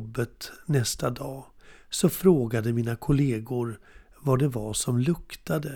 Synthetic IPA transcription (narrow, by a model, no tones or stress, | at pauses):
bːət̪nɛst̪ad̪ɑːsɔfɾoːɡad̪əmiːnakʰʊleːɡʊɾ | vaɖɛvaʂɔmlɵkt̪ad̪ə